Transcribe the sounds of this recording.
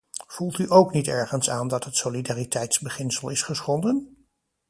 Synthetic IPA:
v̥ulˠtyʔowknitɛɹχənsaːndɑtɦətsolidaːritɛjtzbəχɪnsəlˠɪsχəsχɔndən

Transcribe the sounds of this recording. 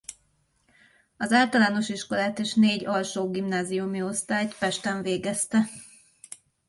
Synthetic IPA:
ɒzaːlt̪ɒlaːno̞ʃiʃko̞laːt̪eːʃneːɟɒlʃoːɡimnaːzijumio̞st̪aːjt̪pɛʃt̪ɛɱveːɡɛst̪ɛ

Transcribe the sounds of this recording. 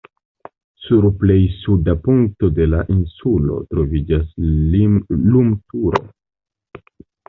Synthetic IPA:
suɾple̞jsudapuŋk̚to̞de̞laʔinsulo̞̰tɾo̞vid͡ʒas | lumtuɾo̞̰

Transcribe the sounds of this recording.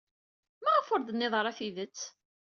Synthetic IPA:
mæʁəfoɾðənːɪðˤɾˤæθiðət͡sː

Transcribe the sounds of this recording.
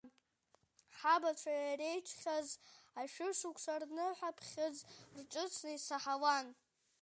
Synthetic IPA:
ħabaʈ͡ʂʷʰajarejʈ͡ʂʷʰχʲazaʃᶣʊʂukʷʰsarnɨħʷapʰχʲɨd͡zrʈ͡ʂʼɨt͡sʰnɨisaħawan

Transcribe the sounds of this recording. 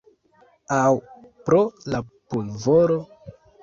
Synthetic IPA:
awpɾolapulvoɾo

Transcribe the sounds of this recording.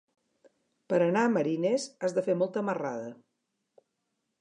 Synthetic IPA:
pəɾənaəməɾinezazðəfemɔlˠt̪əməra̰ðə

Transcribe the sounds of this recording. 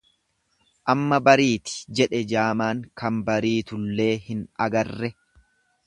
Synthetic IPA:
ʔɐmːɐbɐɾiːt̪ɪ̥d͡ʒɛᶑɛd͡ʒaːmaːŋkɐmbɐɾiːt̪ʊlːe̞ːhɪnɐ̰ɡɐrːɛ

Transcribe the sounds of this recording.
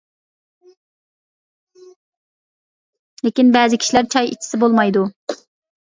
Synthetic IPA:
lekʲinbɛːzɪkʲʰi̥ʃilæɾt͡ʃʰɑjḭt͡ʃʰːi̥sɪbolˠmɑjd̪u

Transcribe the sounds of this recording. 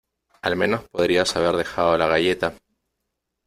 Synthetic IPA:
almẽ̞no̞spo̞ðɾiasaβ̞eɾð̞e̞xaðo̞laɣaʝe̞t̪a

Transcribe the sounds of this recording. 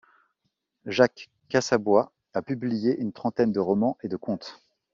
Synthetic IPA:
ʒakː | asabwa | apyblijeʔynt̪χɑ̃t̪ɛnd̪əʁɔmɑ̃ʔed̪əkɔ̃t̪

